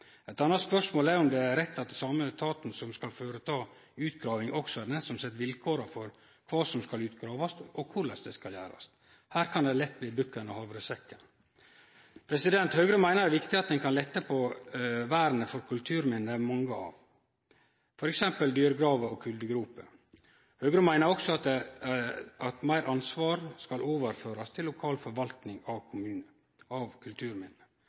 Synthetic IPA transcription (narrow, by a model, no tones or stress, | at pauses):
ɛt̪ɑnːɑt̪spœʂmoːlæɾɔmd̪ɛæɾɾɛt̪ːɑt̪sɑmːət̪ʰɑːt̪n̩sɔmskɑlføːɾət̪ʰɑː | ʉːt̪̚ɡɾɑːʋɪŋʔɔksɔɛɾnɛsɔmsɛt̪ːʋɪlkʰoːɾəfɔɾ | kʰʋɑːsɔmskɑlʉːt̪ɡɾɑːʋɑst̪ɔkʰʊɭɛsd̪ɛskɑljæ̰ːɾɑ̰st̪ | hæːɾkʰɑnd̪ɛlɛt̪ːbliːbʉkːənəhɑːʋɾəsɛkːən | pʰɾɛsɪd̪ɛnt̪høːɡɾəmæɪnəɾæʋɪkt̪ɪɑt̪̚d̪ɛnkʰɑnlɛt̪ːəpʰɔʋæːɾənəfɔɾkʰʉlt̪ʰʉːɾmɪnːəmɑŋːəɑ̰ʋ | fɔɾɛksɛmpəld̪yːɾəɡɾɑːʋəɔkʰʉld̪əɡɾuːpə | høːɡɾəmæɪnəɾɔksɔɑt̪d̪ɛ | ɑt̪mæɪɾʔɑnsʋɑːɾskɑloːʋəɾføːɾɑst̪ʰɪlːʊkʰɑːlfɔɾʋɑlt̪nɪŋɑʋkʰʊmʉːn | ɑʋkʰʉlt̪ʰʉːɾmɪnːə